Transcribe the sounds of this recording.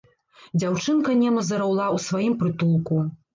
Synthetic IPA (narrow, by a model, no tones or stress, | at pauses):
d͡zʲawt͡ʂɨnkɐnʲɛmɐzɐɾawlˠawsvajimpɾɨt̪ulˠku